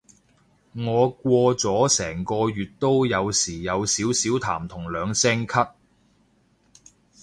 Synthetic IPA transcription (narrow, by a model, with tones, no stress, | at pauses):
ŋɔː˨˧kʷɔː˧t͡sɔː˨˥sɛː˨˩ŋkɔː˧jyː˨t̚t̪o˥wjɐ˨˧wsiː˨˩jɐ˨˧wsiː˨˥wsiː˨˥wt̪ʰa̰ː˨˩mt̪ʰʊ˨˩ŋlœː˨˧ŋsɛː˥ŋkʰɐ˥t̚